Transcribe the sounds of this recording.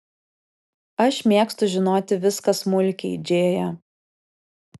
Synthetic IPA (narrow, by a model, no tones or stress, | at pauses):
ɐʃmʲeːkst̪ʊʒʲɪnoːt̪ʲɪʋʲɪskɐsmʊlʲkʲɛɪd͡ʒʲeːjɛ